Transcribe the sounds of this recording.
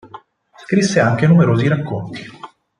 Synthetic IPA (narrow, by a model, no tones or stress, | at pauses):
skɾisːeaŋk̟enumeɾoːziɾakːont̪i̥